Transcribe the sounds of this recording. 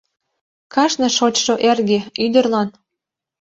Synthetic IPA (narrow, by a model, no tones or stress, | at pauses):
kɑʃnɤ̆ʃot͡ɕʃoʔerɣeyd̪ə̆rlɑn